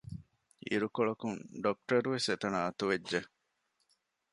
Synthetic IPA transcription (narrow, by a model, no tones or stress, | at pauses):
ḭɾukoɭɐkuŋɖok̚ʈɐɾuʋeset̪ɐnaːɐt̪uʋedʒe